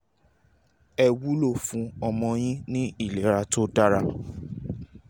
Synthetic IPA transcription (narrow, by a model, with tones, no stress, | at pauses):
ɛ˧wu˦lo˦˨fũ˧˦ɔ˧mɔ̃˧j̃ĩ˦nĩ˦i˦˨le˨˦ɾa˧to˦da˦ɾa˧